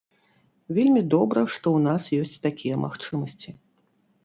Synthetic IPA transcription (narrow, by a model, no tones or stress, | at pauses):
vʲelʲmʲid̪ɔbɾɐʂt̪ɔwnasjɔsʲt͡sʲt̪akʲijɛmʔa̰xt͡ʂɨmɐsʲt͡sʲi